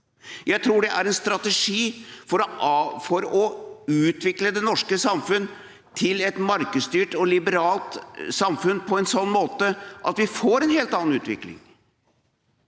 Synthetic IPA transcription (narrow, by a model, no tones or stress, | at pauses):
jæɪt̪ʰɾuːɖɛʔæɾɛnst̪ɾɑt̪ɛʂiːfɔɾfɔɾɔʉːt̪ʋɪkləd̪ɛnɔʂkəsɑmfʉnː | t̪ʰɪlɛt̪mɑɾkəst̪yːʈɔlɪbəɾɑːlt̪sɑmfʉnpʰɔɛnsɔnːmoːt̪əʔɑt̪ʋɪfoːɾɛnheːlt̪ɑːn̩ʉːt̪ʋɪ̰klɪ̰ŋ